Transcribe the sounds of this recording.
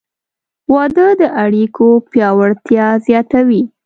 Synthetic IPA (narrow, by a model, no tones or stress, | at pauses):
wɑd̪əd̪əʔaɽikʰopjɑwaɽt̪jɑzjɑt̪awi